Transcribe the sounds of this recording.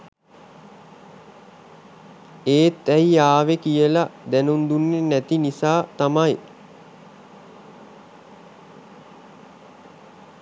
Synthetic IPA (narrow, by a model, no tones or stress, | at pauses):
eːt̪ːæjijaːʋekijəlad̪ænund̪unːenːæt̪inisaːt̪amaj